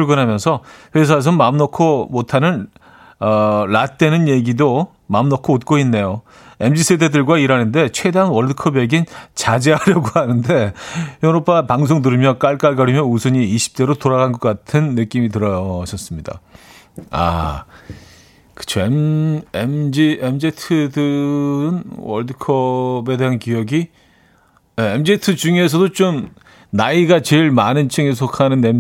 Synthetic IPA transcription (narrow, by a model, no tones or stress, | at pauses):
puɭɡɯnɦamjʌnsʰʌɸwe̞s̬ʰaes̬ʰʌmamnʌkʰomotʰanɯn | ʌlat̚t͈we̞nɯnje̞ɡido | mamnʌkʰoot̚k͈oinːe̞jo | e̞md͡ʑisʰededɯɭɡwaiɾanɯnde̞t͡ɕʰwedanwʌɭdɯkʰʌbjeɡint͡ɕad͡ʑe̞ɦaɾjʌɡoɦanɯnde̞jʌɾop͈ʰapaŋs̬ʰoŋdɯɾɯmjʌk͈aɭk͈aɭɡʌɾimjʌnusʰɯɲiːɕʰi̥p̚t͈e̞ɾotoɾaɡanɡʌk͈atʰɯnːɯk͈imit̬ɯɾʌɕʰʌs͈ɯmɲida̰ | a̰ | kɯ̥t͡ɕʰoememd͡ʑiemd͡ʑetʰɯdɯɯnwʌ̰ɭdɯkʰʌbedeɦankijʌɡi | emd͡ʑietʰɯt͡ɕuŋe̞s̬ʰʌdot͡ɕom | naiɡat͡ɕeɭmanɯnt͡ɕʰɯŋes̬ʰokʰanɯnem